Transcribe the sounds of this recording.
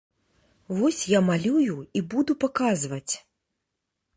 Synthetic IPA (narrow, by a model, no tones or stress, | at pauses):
vɔsʲjamalʲujuibud̪upakazvɐt͡sʲ